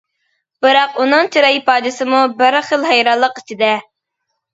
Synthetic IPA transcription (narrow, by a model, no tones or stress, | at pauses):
b̥ɨɾɑqunɨŋt͡ʃʰiɾɑipɑːd̪ɨsɨmubɪɾχəlˠɦɛjɾɑlˠːəqit͡ʃʰid̪ɛ